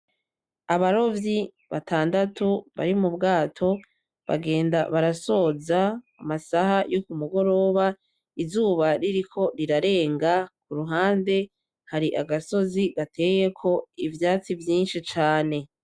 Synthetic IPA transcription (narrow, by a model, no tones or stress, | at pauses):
aβaɾo̞vji | βa̰tʰaːndatuβa̰ɾimubɡaːtʰo̞ | βa̰ɡe̞ːndaβaɾaso̞ːzaː | masahajokumuɡo̞ɾo̞ːβa | izuːβaɾiɾikʰo̞ɾiɾaɾe̞ːŋɡakuɾuɦaːnde̞ | haɾiʔaɡaso̞ziɡatʰe̞je̞kʰo̞ivjaːt͡sivjiːnʃit͡ʃaːne̞